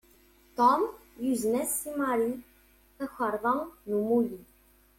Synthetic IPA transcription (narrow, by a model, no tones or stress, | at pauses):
t̪ɔmjyznɛsimaɾi | k̪əxaɾvaŋnumulʲi